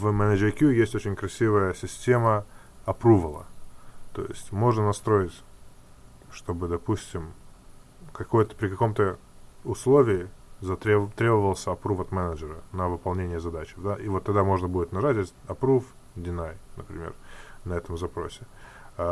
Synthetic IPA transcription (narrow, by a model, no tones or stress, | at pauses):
vmɛnəd͡ʒɪɾʲɪkʲjujesʲtʲot͡ɕɪnʲkɾɐsʲivəjəsʲɪsʲtʲemə | ɐpɾuvəlˠə̰t̪o̞̰jɪ̰sʲtʲmo̞ʐnənɐst̪ɾo̞jɪtʲ | ʂt̪o̞bɨd̪ɐpusʲtʲɪm | kɐko̞jt̪ə̥pɾʲɪkɐko̞mt̪ə | ʊslˠo̞vʲɪɪzɐt̪ɾʲt̪ɾʲe̞bəvəlˠsʲəɐpɾufɐt̪mɛnəʐəɾənəvɨpɐlˠnʲenʲɪjəzɐd̪at͡ɕɪ̥vd̪aʔivot̪ːɐɡ̚d̪amo̞ʐnəbudʲɪt̪nɐʐatʲesʲɐpɾuf | dʲɪnajnəpɾʲɪmʲḛrnɐɛt̪əmzɐpɾo̞̰sʲɪ